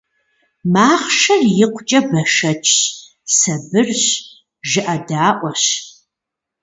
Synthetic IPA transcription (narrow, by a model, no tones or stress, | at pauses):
maːχʃɐrjɪqʷt͡ʃʼɐbɐʃɐt͡ʃʰʼː | sɐbɨrɕ | ʒɨʔɐdaːʔʷɔɕ